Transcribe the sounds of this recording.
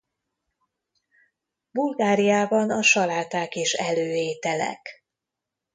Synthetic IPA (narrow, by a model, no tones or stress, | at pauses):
bulɡaːɾijaːbɒnɒʃɒlaːt̪aːkeːʃɛløːeːt̪ɛlɛ̰k